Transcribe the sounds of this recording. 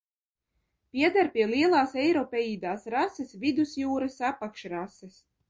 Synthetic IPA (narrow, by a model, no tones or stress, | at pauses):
pʲiɛd̪aɾpʲiɛlˠiɛlˠaːsɛjɾɔpɛjiːd̪aːsɾasɨsvid̪usjuːɾasapakʃɾasɨs